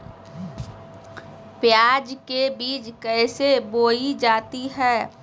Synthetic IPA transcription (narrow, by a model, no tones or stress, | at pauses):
pjaːd͡ʒkebiːd͡ʒkɛɪseboːid͡ʒaːt̪iɦɛː